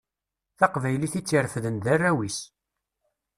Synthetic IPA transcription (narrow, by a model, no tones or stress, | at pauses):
θɑqvæjliθit͡sːiɾfðənd̪ærːæwis